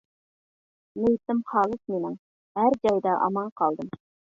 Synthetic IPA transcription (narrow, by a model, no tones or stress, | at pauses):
nɘit̪ːɘmχɑlˠɤsminɘŋ | æɾd͡ʒæwd̪æʔɑ̰mɑɴqɑlˠd̪ɤm